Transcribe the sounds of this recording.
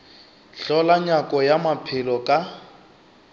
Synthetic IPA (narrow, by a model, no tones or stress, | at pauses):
ɬɔlaɲakʼɔjamapʰɪlɔkʼa